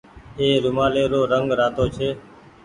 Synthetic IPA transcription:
eːɾʊmaːleːɾoːɾəŋɡɾaːt̪oːt͡ʃʰeː

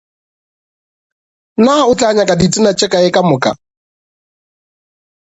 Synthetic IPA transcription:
naʊt͡ɬʼaɲakʼadit͡sʼɪnat͡ʃʼɛkʼaɪkʼamʊkʼa̰

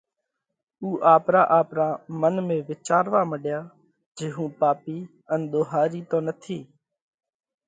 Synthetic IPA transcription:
uːʔaːpɾaːʔaːpɾaːmənmẽːʋɪt͡ʃaːɾʋaːməɗjaː | d͡ʒeːɦũːpaːpiː | ənɗ̪oːɦaːɾiːt̪õːnət̪ʰiː

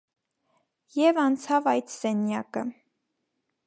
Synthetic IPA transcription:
jɛvɑnt͡sʰɑvɑjt̪sɛnjɑkə

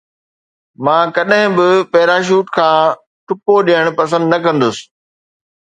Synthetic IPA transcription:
mãːkɐɗɦɪ̃bɪpɛːɾaːʃ̬uːʈkʰãː | ʈʊpoɗiəɽ̃pɐsə̃nd̪nɐkɐ̃nd̪ʊsɪ̥̆

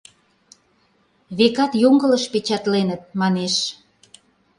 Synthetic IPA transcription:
βekɑt̪joŋɡə̆ləʃpet͡ɕɑt̪lenət̪̚mɑneʃ

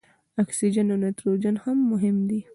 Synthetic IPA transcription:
aksid͡ʒənawnet̪ɾod͡ʒanhamːʊɦɪmd̪i

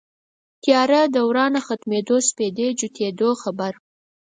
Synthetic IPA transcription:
t̪jɑɾad̪awɾɑnaxat̪med̪osped̪ed͡ʒut̪ʰed̪oxabaɾ

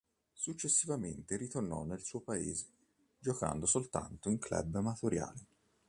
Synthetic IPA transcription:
sut͡ʃːesːivament̪eɾit̪ornɔ̰nːelsuːopaḛːze̥ | d͡ʒoka̰nd̪osolt̪a̰nt̪oiŋklɛ̰bːamat̪oɾja̰ːle

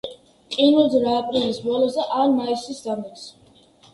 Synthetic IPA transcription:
qʼinud̪ɾaːpʼɾilisbɔlˠɔsd̪aʔaɾmaisisd̪amɔs

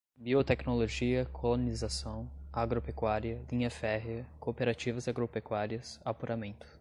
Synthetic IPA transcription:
biot̪ɛknoloʒiɐkʰolonizasɐ̃w̃aɡɾopekwaɾiɐlĩɲɐfɛɦɐkopeɾat͡ʃivɐzaɡɾopekwaɾiɐsapuɾamẽnt̪ʊ̥

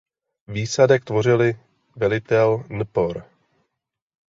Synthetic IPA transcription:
viːsadɛk̚t̪vo̞r̝ɪlɪ | vɛlɪt̪ɛlnpoɾ

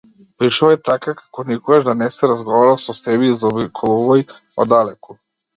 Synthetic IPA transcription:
pɾiʃaɛt̪akakḁkonikɔɡaʒd̪anɛsɛɾazɡɔʋaɾasɔsɛbizɔbikʰolˠuvɔj | ɔ̰d̪alɛku

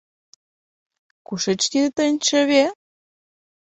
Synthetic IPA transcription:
kuʃĕt͡ɕkit̪ənʲt͡ɕə̆βe

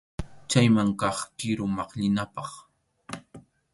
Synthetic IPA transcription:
t͡ʃajmaŋkɑχkɪɾʊmɑχʎɪnapɑχ

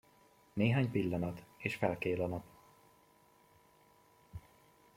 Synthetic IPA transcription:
neːɦaːɲpilːɒnɒt̪eːʃfɛlkeːlɒnɒp

